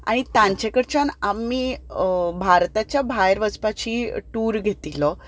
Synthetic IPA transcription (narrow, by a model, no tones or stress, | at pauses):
a̰ɽ̃it̪jãɲt͡ɕekəɽt͡ɕanamːiː | bʱaɾt̪at͡ɕjabʱajɾʋəd͡zpat͡ɕiːʈuːɾɡʱet̪ilɔ